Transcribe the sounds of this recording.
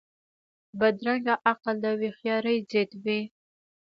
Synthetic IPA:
bad̪ɾaŋɡaʔaqald̪awixjɑɾəjzet̪wi

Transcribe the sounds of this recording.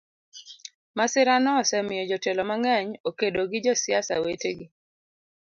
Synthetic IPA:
masɪɾanɔsɛmɪjɔd͡ʒɔtelɔmaŋɛɲokedoɡɪd͡ʒɔsjasa̰weteɡɪ

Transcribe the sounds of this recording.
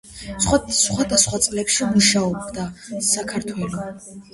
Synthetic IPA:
sχwasχwad̪asχwat̪sʼlɛpʃimuʃaɔbd̪asakʰaɾt̪ʰwɛlɔ

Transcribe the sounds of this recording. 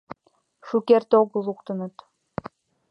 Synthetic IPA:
ʃukert̪oɣəlˠukt̪ɤ̆nɤ̆t̪

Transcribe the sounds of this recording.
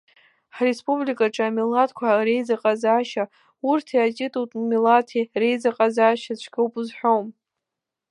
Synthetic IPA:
ħrespʼublikʼaʈ͡ʂʼaamilatʼkʷʰarejd͡zaqʼazaːʃa | urtʰiatʲʼɪtʼutʼmilatʰire̞jd͡zaqʼazaːʃat͡ʃʷʰɡʲowpʼɨzħʷᶣowm

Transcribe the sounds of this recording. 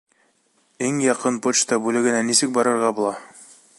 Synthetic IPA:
iŋjɑqɤnpot͡ʃt̪ɑbʉlɘ̆ɡɘ̆nænisɘk̚bɑɾɤ̆ɾʁɑbulˠɑ

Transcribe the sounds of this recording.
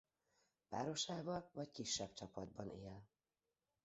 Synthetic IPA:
paːɾo̞ʃaːvɒlvɒckiʃːɛb̥t͡ʃɒpɒd̪̚bɒneːl

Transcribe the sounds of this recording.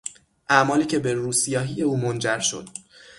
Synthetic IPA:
ʔæmɒːliːcʰe̞be̞ruːsijɒːɦije̞uːmond͡ʒæɾʃo̞̰d̪̥

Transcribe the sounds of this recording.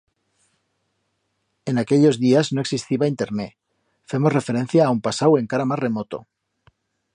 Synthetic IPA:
e̞nakeʎo̞zðiazno̞e̞ksist̪iβaint̪e̞ɾne | fe̞more̞fe̞ɾe̞n̟θjaːumpasawe̞ŋkaɾamazre̞mot̪o̰

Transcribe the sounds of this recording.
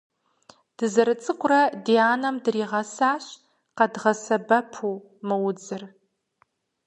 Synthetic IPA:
d̥ɨzɐɾɨt͡sʼɨqʷʼʊrɐdiaːnɐmdɨriːʁɐsaːɕ | qɐdʁɐsɐbɐpʰu | mɨwʊd͡zɨr

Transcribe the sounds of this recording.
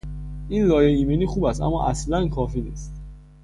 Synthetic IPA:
ʔiːnlɒːjeiːmeniːxuːbæst̪æ̰mːɒ̰ːʔæ̰slænkʰɒːfiːnḭːst̪

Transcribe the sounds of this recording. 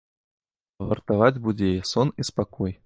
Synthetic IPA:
vɐrt̪avad͡zʲbud͡zʲejɛsɔnispakɔj

